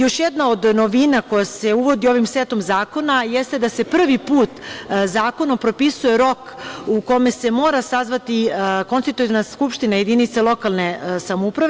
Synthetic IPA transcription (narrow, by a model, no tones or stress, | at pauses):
jo̞ʃjed̪nao̞d̪no̞ʋinako̞jase̞uʋo̞d̪io̞ʋimset̪omzaːko̞najest̪e̞d̪ase̞pr̩ʋipuːt̪zaːko̞nopɾo̞pisuje̞ɾo̞kuko̞me̞se̞mo̞ːɾasazʋat̪iko̞nst̪it̪uj̪naskupʃt̪inaje̞d̪init̪selˠo̞kalˠne̞samoupɾaʋe